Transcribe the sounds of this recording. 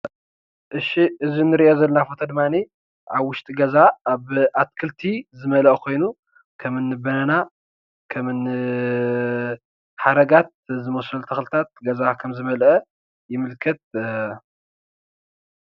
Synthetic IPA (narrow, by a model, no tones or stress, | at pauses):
ʔɨʃiʔɨzinːɨɾiʔozɐlɐnafot̪ʰod̪ɨmani | ʔaβwʊʃt̪ʼiɡɐzaaβʔat̪̚kʰɨlt̪ʰizɨmɐlɐʔkʰo̞jnu | kʰɐmɨnːɨbɐnɐna | kʰɐmɨn | ħad̪ɐɡat̪̚zɨmosɐlt̪ʰɐxlt̪ʰat̪̚ɡɐzakʰɐmzɨmɐlʔɐ | jɪmɨlkʰɐt̪̚